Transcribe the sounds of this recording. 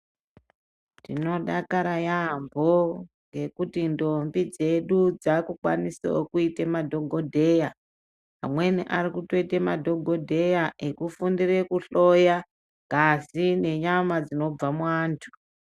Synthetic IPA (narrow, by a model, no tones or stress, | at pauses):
tino̞ɗakaɾajambo̞ŋɡe̞kutindo̞mbid͡ze̞ɗud͡zakukwa̰nisaokuitemadʱo̞ɡʱodʱe̞ja | a̰mwe̞niʔarikuto̞itemadʱo̞ɡʱo̞dʱe̞jaʔekufundire̞kuɬo̞ja | kasine̞ɲamad͡zino̞b͡vamwaːntʰu̥